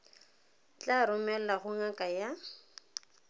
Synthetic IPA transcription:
t͡ɬʼaɾʊmɛl̩laɣʊŋakʼaja

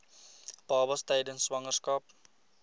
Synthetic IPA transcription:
b̥ɑːbɐstɛjdənswɐŋərskɐp̚

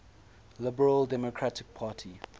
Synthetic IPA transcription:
lɪbəɹəldɛmokʰɹatʰɪk̚pʰaːtʰi

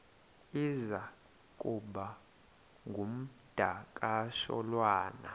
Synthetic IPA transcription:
iza | kʼuɓa | ŋɡʱum̩d̥ʱakʼaʃɔ̰lwaːna̰

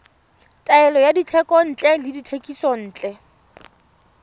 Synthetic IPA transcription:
tʼaɛlɔjadit͡ɬʰɛkʼɔn̩ːt͡ɬʼɛlɪditʰekʼisɔn̩ːt͡ɬʼɛ

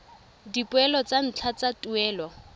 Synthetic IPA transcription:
dipʼʊɛlɔt͡san̩t͡ɬʰat͡satʼʊɛːlɔ

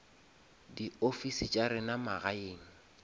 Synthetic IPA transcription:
diofisɪt͡ʃʼaɾɪnamaɣaeːŋ̩

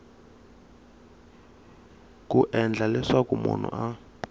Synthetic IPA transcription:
kuʔɛnd͡ɮʱalɛʂakumṵn̤ṵʔa

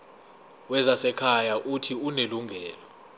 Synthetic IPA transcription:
wɛzasɛkʰajaʔutʰiuneluŋɡʱɛːlɔ

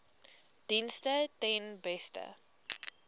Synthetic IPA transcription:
d̥instətɛnbɛstə̰

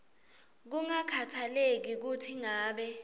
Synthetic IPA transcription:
k̬uŋakʰatʰalek̬ik̬utʰiŋaːɓɛ

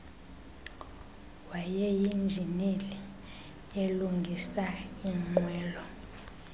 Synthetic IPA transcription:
wajɛjind͡ʒʱinili | eluŋɡʱisaiŋ͡ǃwɛːlɔ

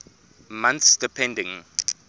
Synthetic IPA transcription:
mãnθsd̥ipʰɛ̃ndɪ̃ŋ

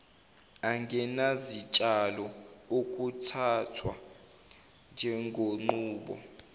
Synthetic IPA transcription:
aŋɡʱɛnazit͡ʃʼalɔok̬ʼutʰatʰwa | nd͡ʒʱɛŋɡʱoŋ͡ǃuːɓɔ̰

